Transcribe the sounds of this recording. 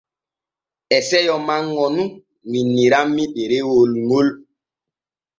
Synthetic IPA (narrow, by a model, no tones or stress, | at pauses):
ɛsɛjɔmaŋɔnu | ŋinːiɾamːiɗeɾewolŋol